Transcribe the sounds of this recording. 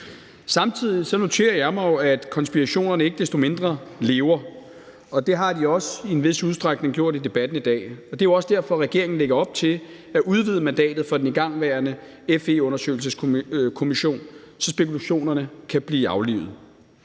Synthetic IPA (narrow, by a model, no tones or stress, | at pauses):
sɑ̈mt͡sʰið̞̰ˠisɒ̽no̝t͡sʰe̝̰ːɐjɑ̈ɪmɑ̈ɪo̝æd̥kʰɒ̽nsb̥iʁæɕo̝̰ːnɐnəe̝ɡ̥əd̥esd̥o̝me̝nd̥ʁɐle̝ːʊɐ | ɒ̽d̥e̝ɦɑ̈d̥iɒ̽sienʋe̝suð̞ˠsd̥ʁɑɡ̥ne̝ŋɡ̥jo̝ɐ̰ɾ̥id̥e̝b̥æd̥n̩id̥ɛ̰ːɒ̽d̥e̝ɐjoɒ̽sd̥æɐ̰fɒ̽ʁɛɡ̥e̝ɐ̰e̝ŋn̩leɡ̥ɐɒ̽b̥̚t͡sʰe̝l | æʔuð̞ˠʋið̞ˠəmænd̥ɛ̰ːd̥ð̞̩ˠfɒ̽d̥eniɡ̥ɑ̈ŋ̰ʋæːɐnə | efe̝ɔ̽nɐsø̰ːɪl̩s̬əskʰo̝miɕo̝̰ːn | sɒ̽sb̥e̝kulæɕo̝̰ːnɐnəkʰæb̥liːɑ̈ʊlḭʊð̩ˠ